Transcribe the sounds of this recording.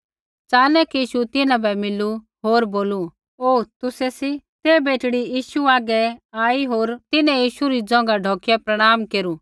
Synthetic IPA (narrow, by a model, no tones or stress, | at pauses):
t͡saːnɛkiiːʃut̪ɪnãbɛmɪlu | ɦoːɾboːlu | oːt̪ʊsɛsit̪ebeːʈɽijiːʃuaːɡɛaːiɦoːɾt̪ɪnɛ̃jiːʃuɾid͡zɔ̃ŋ̆ɡaɖʱɔːkjɛpɾɐɽ̃aːmkeːɾu